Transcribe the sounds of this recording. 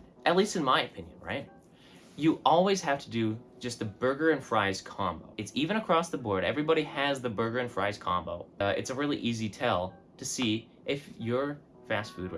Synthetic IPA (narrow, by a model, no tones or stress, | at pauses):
ʔɨtˡlistɨ̃nmaɪɨpʰɪ̃njɨ̰̃nɹa̰ɪt̚ | jɨʔɔlˠwiz̥hæftʰɨdɨ̥ | d͡ʒʌst̪̚ðɨbɜ˞ɡə˞ɨ̃nfɹaɪz̥kʰɑ̃mboʊɨtsivɨ̃ñɨkʰɹ̥ɔsðəbɔɹɾɛ̰vɹibɑɾiɨzðɨbɜ˞ɡə˞ɨ̃nfɹaɪz̥kʰɑ̰̃mbo̰ʊɨ̰tsəɹɪlˠiʔizitʰɛlˠtʰɨsi | ʔɪfjə˞ | fæstfʉd̚